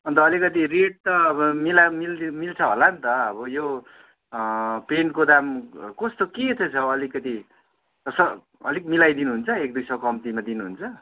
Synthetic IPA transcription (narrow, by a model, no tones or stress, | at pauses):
ʌnt̪ʌːlikʌt̪̬ireʈ̚t̪ʌʌbʌmilamilmilt͡sʰʌɦolant̪ʌʌbʌjo | penkod̪amkʌst̪oket̪ʰet͡sʰʌʌlikʌt̪i | ʌsʌ | ʌ̰likmilajd̪inuɦunt͡sʰʌek̚d̪ujsʌkʌmt̪imad̪inuɦunt͡sʰʌ